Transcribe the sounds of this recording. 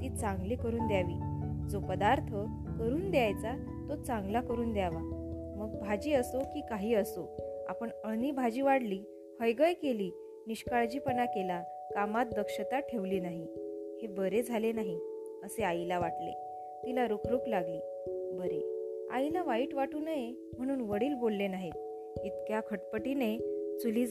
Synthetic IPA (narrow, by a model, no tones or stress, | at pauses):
t̪iːt͡sãŋɡliːkəɾuːnd̪jaʋiːd͡zopəd̪aɾt̪ʰə | kəɾuːnd̪ejajt͡sa | t̪ot͡sãŋɡlakəɾuːnd̪jaʋa | məɡbʱad͡ʑiːəsokiːkaɦiːəsoa̰pəɳənibʱad͡ʑiːʋaɽliː | həjɡəjkeliː | niɕkaɭd͡ʑiːpənakela | kamat̪̚d̪əkʂət̪aʈʰeʋliːnaɦihebəɾed͡zʱalenaɦi | əseajilaʋaʈlḛ | t̪ilaɾokʰɾuklaɡliː | bəɾḛa̰ilaʋaiːʈʋaʈuːnəje | m̤əɽ̃uːnʋəɽiːlbolːenaɦet̪̚ | it̪kjakʰəʈpəʈinet͡suliːd͡z